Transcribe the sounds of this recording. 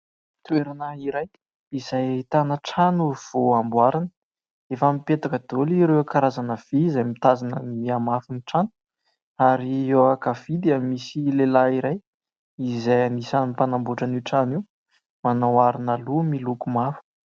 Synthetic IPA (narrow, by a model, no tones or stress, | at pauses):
t̪ueɾanaiɾaj | izajit̪anəʈ͡ʂanuv̥oambwaɾanə | efamipet̪akəd̪̥oliɾewakaɾazanəv̥iizajmit̪azanənmiamafuniʈ͡ʂanu̥ | aɾiewakafid̪iamisilelaiɾaj | izajanisanupanambuʈ͡ʂaniʈ͡ʂaniw | manawaɾinalumilukumafu̥